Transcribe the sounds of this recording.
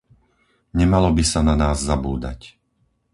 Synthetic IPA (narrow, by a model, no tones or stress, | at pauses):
ɲɛmalɔbisananaːzːabuːd̪a̰c